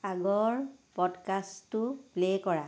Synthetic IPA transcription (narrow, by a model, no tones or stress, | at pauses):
aɡɔɹpɔdkastːuplekɔɹa